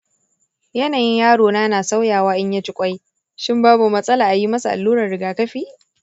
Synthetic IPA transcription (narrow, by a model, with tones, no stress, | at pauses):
jɐ˦naː˨jɪ˦ɲjaː˦ɽoː˨naː˦naː˨sa˦wjaː˨waː˦ʔɪ˦ɲja˦t͡ʃɪ˦kʷʼɐ˦j | ʃɪ˦mbaː˦bu˨mɐ˦sʼɐ˦laː˨ʔa˨ji˦mɐ˦sa˨ʔa̰˨lːuː˦ɾɐ˨rɽɪ˨ɡaː˨kɐ˦ɸiː˦